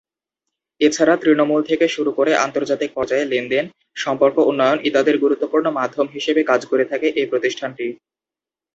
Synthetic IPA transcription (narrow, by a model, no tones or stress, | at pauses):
et͡ɕʰaɾat̪ɾinomult̪ʰekeʃuɾukoɾeʔa̰nt̪oɾd͡ʑat̪ik̚pɔɾd͡ʑaelinɖen | ʃɔmpoɾkounːojonid̪ad̪eɾɡuɾut̪ːopuɾnomad̪ʱːomɦiʃebekad͡ʑkoɾet̪ʰakeʔepɾot̪iʃʈʰanʈi